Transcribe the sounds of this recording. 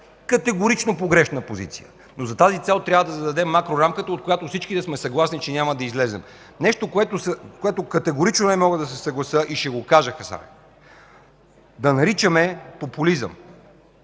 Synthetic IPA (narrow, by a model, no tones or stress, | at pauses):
kɐt̪ɛɡoɾit͡ʃnopoɡɾɛʃnəpozḭt̪sḭjə̰ | nozɐt̪azit̪sɛlˠt̪ɾʲavvəd̪ɐzɐd̪ɐd̪ɛmːakɾoɾamkət̪əot̪̚kojat̪ofsit͡ʃkid̪ɐsmɛsɐɡlˠasnit͡ʃɛnʲamɐd̪ɐizlɛzɛ̰m | nɛʃt̪okoɛt̪osəkoɛt̪okɐt̪ɛɡoɾit͡ʃnonɛmɔɡəd̪ɐs̬ɛsɐɡlˠɐsəʔiʃɛɡokaʒəxɐsa̰ɾɛ̰ | d̪ɐnɐɾit͡ʃəmɛpopulizə̰m